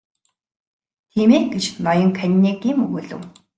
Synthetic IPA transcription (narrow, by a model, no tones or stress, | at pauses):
t̪ʰiːmeːɡet͡ɕnɔjɞ̆ŋkʰanʲːiɡiːmɵɣɵːɮɘ̰̆w